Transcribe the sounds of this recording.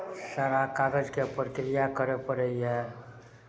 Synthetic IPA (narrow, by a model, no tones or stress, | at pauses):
saːɾakaːɡəd͡ʒkepɾkɾijakəɾepəɾəiɦɛ